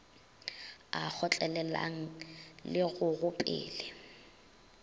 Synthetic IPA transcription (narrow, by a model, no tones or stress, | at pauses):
ak͡xʰɔt͡ɬʼɛlɛla̰ŋ̩lɪɣʊɣʊpʼɪ̰ːlɪ